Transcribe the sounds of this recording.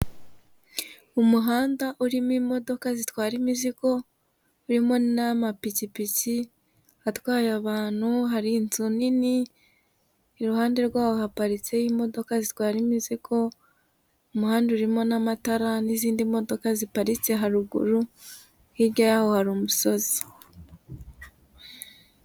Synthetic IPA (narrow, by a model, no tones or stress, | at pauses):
umuɦaːndaʔuɾimwimo̞do̞kazitwaːɾimiziko̞ | uɾimo̞namapicipici | hatwaːjaβaːn̥huɦaɾiːnzunini | ɾuhaːnde̞ɾɡwaːβoɦapaɾit͡se̞jimo̞do̞kazitwaːɾimizikʰo̞ | omuhaːndeuɾimo̞namataɾaniziːndimo̞do̞kazipaɾit͡se̞ɦaɾuɡṵɾu | hiɾɟajaho̞haɾuːmuso̞zi̥